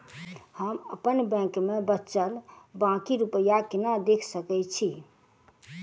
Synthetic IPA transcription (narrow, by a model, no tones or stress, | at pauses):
həməpənbɛ̃kmebətːt͡ʃəlbãkiɾupəjakinad̪ekʰsəkɛt͡ʃʰi